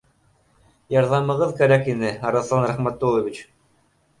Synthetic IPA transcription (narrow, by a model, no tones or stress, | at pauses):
jɑɾðɑmɤ̆ʁɤðkæɾækinɘɑɾɑθˠɑnɾæχmæt̪ːolˠoβʲit͡ɕ